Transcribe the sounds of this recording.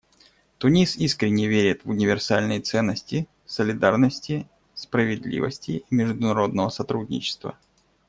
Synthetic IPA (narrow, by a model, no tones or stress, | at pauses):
t̪ʊnʲisiskɾʲɪnʲːɪvʲeɾʲɪt̪vʊnʲɪvʲɪrsalʲnəjt̪sɛnːəsʲtʲɪ | səlʲɪd̪arnəsʲtʲɪ | spɾəvʲɪd̪lʲḭvə̰sʲtʲɪimʲɪʐd̪ʊnɐɾo̞d̪̚nəvəsɐt̪ɾudʲnʲɪ̰t͡ɕɪ̥st̪və̰